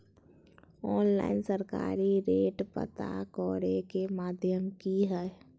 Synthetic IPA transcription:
ɔːnla̰ːɪnsəɾka̰ːɾiɾeːʈpə̰t̪a̰kɔːɾekemaːd̪ʱjəmkiɦɛ

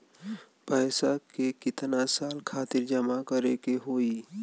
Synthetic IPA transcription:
pɛːsakekɪt̪nasaːlkʰaːt̪ɪɾd͡ʒəmakəɾekeɦoːi

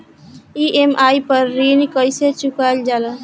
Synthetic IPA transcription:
iʔemʔajpəɾːinkəjset͡ʃukald͡ʒalə

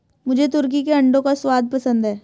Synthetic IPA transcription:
mʊd͡ʒʱet̪ʊɾk̬ikeɐ̃ɳɖõkaswaːd̪̚pɐsə̃nd̪ɦɛː

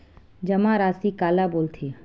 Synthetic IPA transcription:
d͡ʒɐmãɾaːsikaːlaboːlt̪ʰe

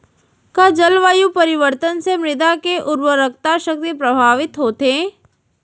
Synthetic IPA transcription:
kad͡ʒəlʋaːjupɐɾɪʋəɾt̪ənsemɾɪd̪akeʔʊɾwəɾək̚t̪aʃək̚t̪ipɾəbʱaːʋɪt̪ɦoːt̪ẽː

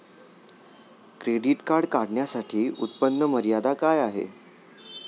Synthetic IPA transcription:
kɾeɽiʈkaɾɽkaɽɳjasaʈʰiːʔut̪̚pənːəməɾijad̪akajaɦḛ

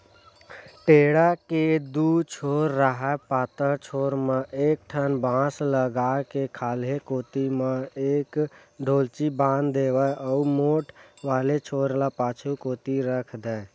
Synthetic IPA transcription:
ʈeːɽaked̪ut͡ʃʰoːɾːəɦapaːt̪əɾt͡ʃʰoːɾmãʔeːk̚ʈʰənbãːsləɡaːkekʰaːlɦekoːt̪imãeːk | ɖʱoːlt͡ʃibãːnd̪d̪eːʋəɔumoːʈʰʋaːlet͡ʃʰoːɾlapaːt͡ʃʰukoːt̪iɾəkʰd̪ɛ

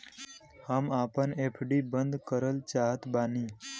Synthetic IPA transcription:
hamaːpənepʰɖibənd̪kəɾəlt͡ʃaɦət̪baniː

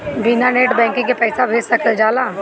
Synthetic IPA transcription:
binaneːʈbɛ̃ːŋkɪ̃ŋkepɛːsabʱeːd͡ʒsəkəld͡ʒaːlaː

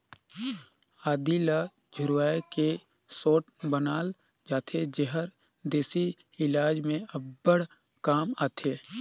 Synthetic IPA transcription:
aːd̪ilaː | d͡ʒʱʊɾaːeke | soːʈbənaːl | d͡ʒaːt̪ʰed͡ʒəɦəɾ | d̪eːsi | ɪlaːd͡ʒmẽɐb̚bəɽ̤ | kaːmaːt̪ʰeː

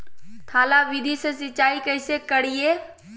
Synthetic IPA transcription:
t̪ʰaːlaʋid̪ʱisesɪt͡ʃaːikɐɪsekəɽ̤ije

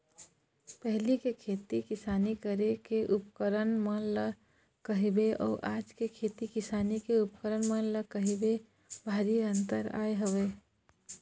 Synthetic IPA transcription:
pəɦlikekʰet̪ikisanikəɾekeʔupkəɾənmələ | kəɦebeɔ̰ːʔad͡ʒkekʰet̪ikisanikeup̚kəɾənmələkəɦebe | bʱaɾiə̃nt̪əɾa̰eɦəbe

